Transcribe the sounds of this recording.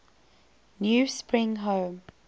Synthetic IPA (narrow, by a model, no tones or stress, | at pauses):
njuːspɹɪ̃ŋɦõːm